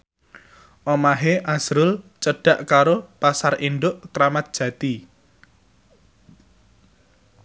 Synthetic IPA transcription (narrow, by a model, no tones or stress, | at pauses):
ʔɔmaɦeʔaz̥ɾʊlt͡ʃəɖ̥a̤ʔkaɾopasarinɖ̪ʊʔkəɾamat̪̚d̥ʒ̥ä̤t̪i